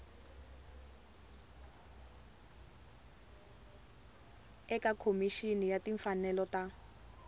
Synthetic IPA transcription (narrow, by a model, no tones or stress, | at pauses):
ɛkakʰomiʃinijatiɱfanɛlɔta